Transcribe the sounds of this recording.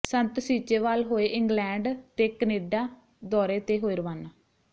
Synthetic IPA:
sənt̪siːt͡ʃeːʋaːlɦoːeːʔɪŋɡlɛ̃ːɳɖt̪eːkəneːɖaː | d̪ɔːɾeːt̪eːɦoːiːɾəʋaːnaː

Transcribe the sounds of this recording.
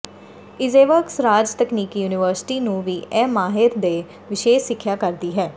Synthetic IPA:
ɪzeːʋəksɾaːd͡ʒt̪əkniːkjuːnɪʋəɾsɪ̥ʈiːnũːʋiːʔɛːmaːɦɪɾd̪eː | ʋɪʃeːʃsɪkʰːjaːkəɾd̪iːɦɛː

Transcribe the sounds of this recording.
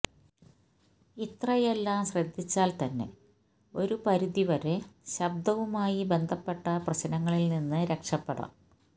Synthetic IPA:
it̪rɐjelːaːmɕrɐd̪ʱːit͡ɕːaːlt̪ɐnːe̞̰ | o̞ɾupɐɾuðiʋɐɾeɕɐb̚d̪ʱɐʋumaːjibe̞nd̪ʱɐpːe̞ʈːɐprɐɕɐnɐŋːɐɭilninːɨɾe̞kʂɐpːeɽɐ̰m

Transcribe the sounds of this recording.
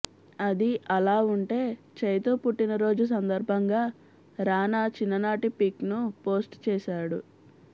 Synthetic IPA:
ɐd̪iɐlaːuɳʈe̞ː | t͡ʃɐjt̪oːpuʈːinɐɾo̞ːd͡ʒus̬ɐnd̪ɐɾbʱɐŋɡaː | ɾaːnaːt͡ʃinːɐnaːʈipiknupo̞ːsʈt͡ʃɛːʃaːɽu

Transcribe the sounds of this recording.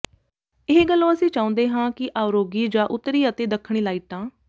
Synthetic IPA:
ɪɦeɡəlːõːəsĩːt͡ʃãːũːnd̪eːɦãːkɪʔaːʊɾoːɡiːd͡ʒãːʔʊt̪ːəɾiːət̪eːd̪əkʰːɽ̃iːlaːiːʈ̚t̪ãː

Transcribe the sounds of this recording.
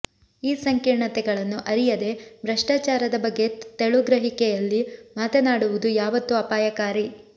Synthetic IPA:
iːsɐŋkiɾɳɐt̪ɛɡɐɭɐnːuʔɐɾijɐd̪e̞bɾɐʂʈaːt͡ʃaːɾɐd̪ɐbɐɡːe̞t̪eɭuɡɾɐɦikɛjɐlːimaːt̪ɐnaːɽuʋud̪ujaːʋɐt̪ːuɐpaːjɐkaːɾi

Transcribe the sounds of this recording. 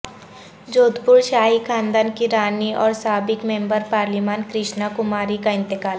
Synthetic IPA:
d͡ʒoːd̪pʊɾʃaːɦikʰãːnd̪aːnkiɾaːniʔɔːɾsaːbɪkmẽmbəɾpaːɾlimaːnkɾɪʃnakʊmaːɾikaɪ̃nt̪ɪkaːl

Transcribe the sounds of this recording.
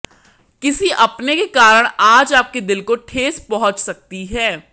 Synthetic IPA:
kɪsiʔɐpnekekaːɾəɽ̃aːd͡ʒaːp̚ked̪ɪlkoʈʰeːzpɔɦʊ̃t͡ʃsɐk̚t̪iɦɛː

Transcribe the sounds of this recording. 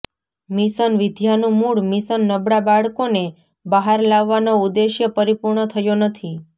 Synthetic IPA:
misənʋɪd̪ʱjanũmuɭmisənːəbɽabaɭkone | baɦaɾlaʋːanoud̪eʃjəpəɾipuɾɳət̪ʰəjonət̪ʰi

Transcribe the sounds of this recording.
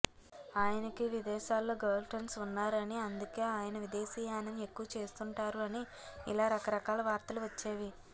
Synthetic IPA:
aːjɐnɐkiʋid̪ɛːʃaːlːoːɡɐːlʈɐnsunːaːɾɐniɐnd̪uke̞ːaːjɐnɐʋid̪eːsiːjaːnɐme̞kːuʋɐt͡ʃe̞ːst̪uɳʈaːɾuɐni | ḭlaːɾɐkɐɾɐkaːlɐʋaːɾt̪ɐluʋɐt͡ʃːeːʋi

